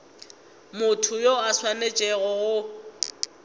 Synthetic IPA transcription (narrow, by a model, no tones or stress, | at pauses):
mʊtʰʊjoaswanet͡ʃʼɛɣɔɣʊ